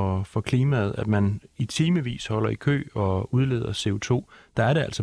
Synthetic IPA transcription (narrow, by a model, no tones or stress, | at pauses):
ɒfɒ̽kʰliːmæð̩ˠæd̥mænit͡sʰiːməʋḭːshɒ̽l̰ɐikʰø̰ːɒ̽uð̞ˠle̝ːðˠɐse̝o̝t͡sʰo̝̰ːd̥ɑ̈æɐɾeæl̰sɒ̽